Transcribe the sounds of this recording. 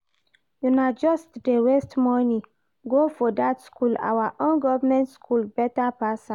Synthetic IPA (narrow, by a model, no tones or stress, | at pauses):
junad͡ʒɔstdewestmɔnĩ | ɡofɔdatskʰula̰waʔõnɡɔvamɛ̃ntskʰulbɛtapasã